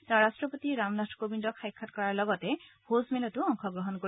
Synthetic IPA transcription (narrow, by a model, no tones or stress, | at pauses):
taɹɹastɹɔpotiɹamnatʰkobindɔkʰːajkʰːatkɔɹaɹlɔɡɔtɛhozmɛlɔtuɔŋkʰɔɡɹɔɦɔnko